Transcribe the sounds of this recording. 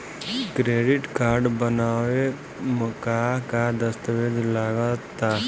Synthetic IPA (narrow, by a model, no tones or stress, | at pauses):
kɾeːɖɪʈkaːɾɖbənaːʋe | məkaɦkad̪əst̪əʋed̪laɡat̪a